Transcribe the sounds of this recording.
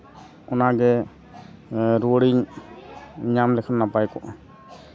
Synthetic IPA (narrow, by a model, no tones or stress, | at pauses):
ɔnaɡɛ | ɾuəɽiɲ | ɲamlɛkʰanːapajkɔʔ